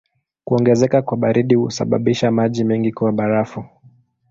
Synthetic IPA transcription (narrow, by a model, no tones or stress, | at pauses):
kuɔŋɡɛzɛkakwaɓaɾiɗihṵsa̰ɓa̰ɓiʃamaʄimɛŋɡikuwaɓaɾafu